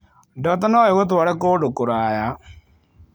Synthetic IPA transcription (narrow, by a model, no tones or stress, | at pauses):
dɔːtanɔjeɣot̬waɾɛkoːdokoɾaja